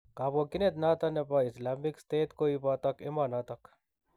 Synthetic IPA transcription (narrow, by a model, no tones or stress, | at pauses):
kaːbokɪnet̪naːt̪ɐnepaɪslaːmɪkst̪eːt̪koːipaːt̪ɐkɪmaːnat̪ɐk